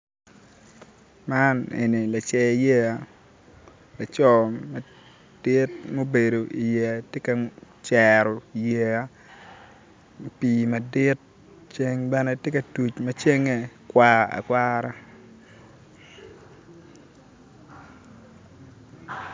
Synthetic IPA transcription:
ma˦nḛ˨ni˨la˨t͡ʃɛ˨je˦a˦ | la˨t͡ʃɔ˦ma˨ | d̥ɪ˦t̚mo˦be˨do˨ʔi˨je˨a˨tje˦ka˨ | t͡ʃɛ˨ɾɔ˨i˨je˨a˦ | piː˨ma˨dɪ˦t̚ | t͡ʃe˦ŋbɛ˦nɛ˦tje˦ka˨tu˨t͡ʃmɐ˦t͡ʃe˦ŋe˦kwa˦a̰˨kwa˦ɾa˦

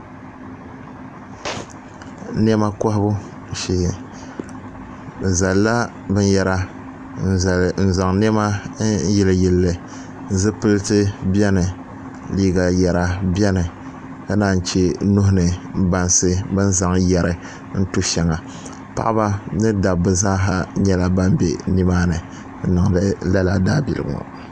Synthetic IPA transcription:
n˦ɛ˦ma˦kɔ˦hbu˦ | ʃi˨ | za˨lːa˦ | bɨ˦n˦jɛ˨ɾa˨ | n̩˨za˨ŋn˦ɛ˦ma˦jɛ˨lɨ˨jɛ˨lːɨ˨ | zɨ˦pɨ˦lɨ˦tɨ˦bi˦ɛ˦nɨ˨ | liː˦ɡa˨jɛ˨ɾa˨bjɛ˦nɨ˨ | ka˦naː˦˨n̩˨t͡ʃe˦nu˦hʊ˦nɨ˨ba˨nsɨ˦bɨ˦n˦za˨ŋjɛ˨ɾɨ˨ | n̩˦tu˦ʃɛ˨ŋa˨ | pa̰˦ʔba˦nɨ˦da˨bɨ˨zaː˦ɦa˨ɲɛ˦la˦ba˦mbḛ˨ni˦maː˦nɨ˨˦ | nɨ˨ŋdɨ˦la˦la˨daː˦bḭ˨lɨ˨b̰ŋ̰˨

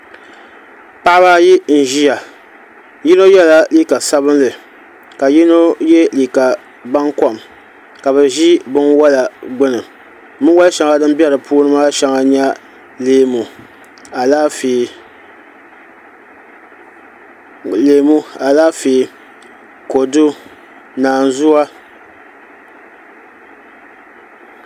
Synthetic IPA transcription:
pa˦ʔa˦baː˦ji˦n̩˨ʒi˦ja˨ | ji˦no˦jɛ˦la˦liː˦ka˨sa˦βɨ˦nlɨ˨ | ka˨ji˦no˦jɛ˦liː˨ka˨ | ba˦ŋkɔ˦˨m | ka˨bɨ˨ʒi˦bɨ˦ŋwa˦la˨ɡ͡bʊ˦nɨ˨m | mɨ˦ŋwa˦lʃa˨˦ŋa˨dɨ˦m˦bɛ˦ɾɨ˨pʰuː˦nɨ˦ma˦ʃa˨ŋa˨ɲa˦ | leː˨mu˨ | a˨laː˦feː˨ | leː˨mu˦a˨laː˦feː˨ | ko˨dʊ˦ | naː˨n˨zʊ˦a˦

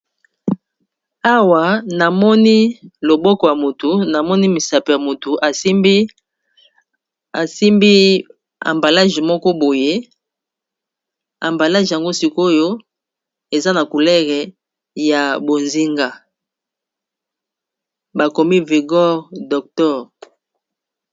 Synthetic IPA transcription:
a˦wa˨na˨mɔ˦ni˦lo˨bɔ˦kɔ˨ja˨mo˨tu˨na˨mɔ˦ni˦mi˨sa˨pe˨ja˨mo˨tu˨ʔa˨˦ | a˨si˦mbi˦ | a̰˨mba˨la˦ʒmɔ˦kɔ˦bo˨je˦ | a̰˨mba˨la˦ʒja˨ŋɡo˦si˦ko˦jo˦ | e˨za˦na˨ku˨lɛ˦ʁɛ˨ | ja˨bo˨nzi˦ŋɡa˦ | ba˨ko˨mi˦vi˨ɡɔ˦ʁdɔ˨k̚tɔ˦ʁ

